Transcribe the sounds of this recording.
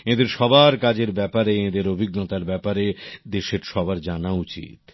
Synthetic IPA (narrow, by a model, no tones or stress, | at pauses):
ed̪eɾʃɔbʱaɾkad͡ʑeɾbɛpaɾeẽd̪eɾobʱiɡnot̪aɾbɛpaɾed̪eʃeɾʃɔbaɾd͡ʑanaut͡ɕḭt̪